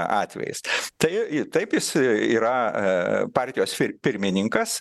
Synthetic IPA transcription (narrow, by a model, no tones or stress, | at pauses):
ɑːt̪ʲʋʲɛ̰jɪ̰st̪ɐɪt̪ɐɪpjɪsiːɾɐ | pɑːrʲt̪ʲɪjoːspʲɪpʲɪɾʲmʲɪnʲɪŋkɐs